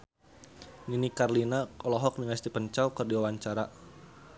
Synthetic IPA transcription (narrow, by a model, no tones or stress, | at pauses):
ninikarlinaɔlɔɦɔk̚niŋast̪ipəɲt͡ʃawkərdiwawaɲt͡ʃaɾa